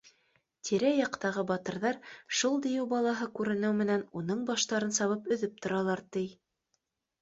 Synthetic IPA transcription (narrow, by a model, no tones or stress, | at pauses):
t̪ʰiɾæjɑqt̪ɑʁɤbɑt̪ɤ̆ɾðɑɾʃulˠd̪ijɘwbɑlˠɑɦɤkʉɾɘ̆nɘwmɘ̆nænunɤɴbɑʃt̪ɑɾɤnsɑβɤpɵ̆ðɘp̚t̪ŏɾɑlˠɑɾt̪ɘj